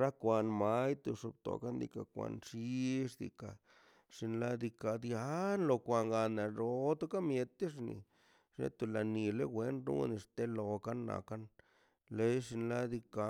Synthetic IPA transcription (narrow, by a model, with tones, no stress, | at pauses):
ɾa˦kʷa˨nma˦jt̪u˧ʂu˧b̚t̪o̰˨ka˦nd̪ḭ˧ka˧˨kʷa̰˧nʂi˦ʂd̪ḭ˧ka̰˧ | ʂi˧nla˦d̪i˧ka˧d̪ja˧˦nlo˧kʷa˧ŋɡa˧na˨ɾo˧t̪u˦ka˦mje˧t̪i˦ʂ̬nḭ˧ | ʐḛ˦t̪u˧la˨ni˨le˦ɡwʷe˨˦nɾṵ˦ni˧ʂt̪e˦lo˧ka˦nːa̰˨ka˦n | le˦jʂi˧nla˦d̪i˧ka˧